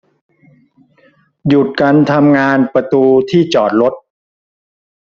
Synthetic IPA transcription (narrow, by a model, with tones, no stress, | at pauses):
ju˨˩t̪̚ka˧nt̪ʰa˧mŋaː˧npɾa˧t̪uː˧t̪ʰiː˥˩t͡ɕɔː˨˩t̪̚ɾo˦˥t̪̚